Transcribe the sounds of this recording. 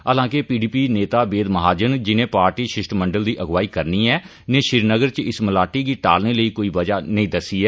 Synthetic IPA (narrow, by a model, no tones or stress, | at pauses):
ɦəːlãːkepiːɖiːpiːneːt̪aːbeːd̪məɦaːd͡ʒəɳd͡ʒɪnẽːpaːɾʈiːʃɪʃʈməɳɖəld̪iːʔəɡʋaːiːkəɾniːɛː | nẽːʃɪɾnəɡəɾt͡ʃɪsməlaːʈiːkiːʈa̰ːlneːləiːkoːiːʋəd͡ʒaːnəĩːd̪əsiːɛː